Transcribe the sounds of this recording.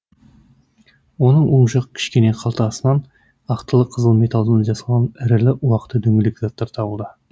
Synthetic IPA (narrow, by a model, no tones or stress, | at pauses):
wo̞nəɴwoɴʒɑqə̥kʲʰɪ̥ʃkʲe̞ne̞qʰɑlˠt̪əɑsmɑn | ɑqt̪əlˠəqʰəzəlˠme̞t̪ɑlˠd̪ənɑʒɑsɑlʁɑnɪɾɪlɪʔwɑqə̥t̪ːəd̪ɵŋɡʲɪlɪkʲzɑt̪ːɑɾt̪ʰɑbəlˠd̪ə